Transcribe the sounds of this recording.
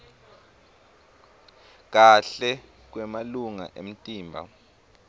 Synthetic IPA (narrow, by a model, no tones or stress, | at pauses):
k̬aɬɛ | k̬wɛmaluŋa̰ʔem̩tʼiːmbʱa̰